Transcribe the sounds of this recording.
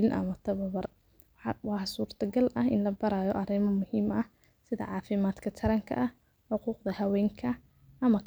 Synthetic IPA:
lɪnʔɐ̰mɐt̪ʰɐβɐβɐr | wɑːsuːrt̪ʰɐɡɐlʔɐɦɪ̰nlɐbɐɾaːjɔʔɐɾɪmɐmʊhiːmɐh | sɪðɐ̰ʕɑːfɪmaːd̪kʰɐt̪ʰɐɾɐŋkʰɐ̰ʔɐh | ħʊquːqd̪ɐhɐwɛːŋkʰɐ | ʔɐmɐk

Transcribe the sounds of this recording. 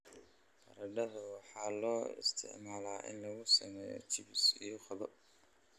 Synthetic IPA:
qɐ̰ɾɐɖɐðʊwɑħɑːlɔːɪ̰st̪ʰɪ̰ʕmaːlaːʔɪ̰nlɐɣʊsɐmɛːjɔ̰t͡ʃɪbɪsijɔχɔðɔ

